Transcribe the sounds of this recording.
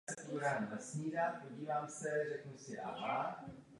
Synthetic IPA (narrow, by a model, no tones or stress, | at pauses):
ɛpoɾaːmvasɲiːɾapoɟiːvaːmsɛrɛknusɪʔa̰ʔa